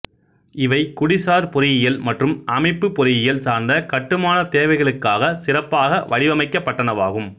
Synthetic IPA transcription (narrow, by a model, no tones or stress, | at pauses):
ɪʋɐɪkʊɽɪsaːɾpɔɾɪjɪjɐlmɐʈrɯmʔɐmɐɪpːɯpːɔɾɪjɪjɐlsaːɾnd̪ɐkɐʈːɯmaːnɐt̪eːʋɐɪɣɐɭɯkːaːɣɐsɪrɐpːaːɣɐʋɐɽɪʋɐmɐɪkːɐpːɐʈːɐnɐʋa̰ːɣɯm